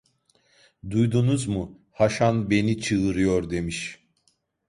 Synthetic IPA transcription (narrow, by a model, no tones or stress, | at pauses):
d̪ujd̪unuzmu | haʃanbe̞nit͡ʃʰɯɯɾɯjoɾd̪e̞miʃ